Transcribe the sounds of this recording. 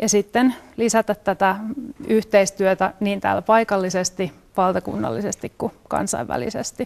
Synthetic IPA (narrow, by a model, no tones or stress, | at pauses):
jɑsit̪ːenlisæt̪æt̪tːæt̪æyht̪eist̪yøt̪æniːnt̪æ̰ːlpɑikɑlːisest̪i | ʋɑlt̪ɑkṵnːɑ̰lːisest̪ikkukɑ̰nsɑ̰iʋæ̰lḭsḛst̪i